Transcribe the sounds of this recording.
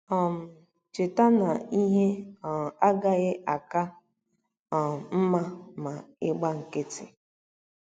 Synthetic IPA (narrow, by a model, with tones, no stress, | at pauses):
ɔ˨m̩˨ | t͡ʃɪ˨ta˦na˨i˦ɦe˦˨a˦ɡa˦ɣɪ˦ʔa˨ka˦˨ | m˨m̩˦ma˦ma˨ɪ˦ɡ͡ba˦ŋ̩˨ke˦tɪ˨